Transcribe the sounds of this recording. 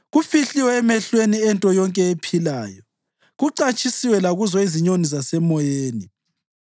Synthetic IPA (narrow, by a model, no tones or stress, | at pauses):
ɣufiɬiwɛːmɛɬweniɛntʼɔjɔŋkʼɛepʰilaːjɔ | ɣuǀat͡ʃʼisiwɛlaɣuzɔiziɲonizasɛmɔjeːni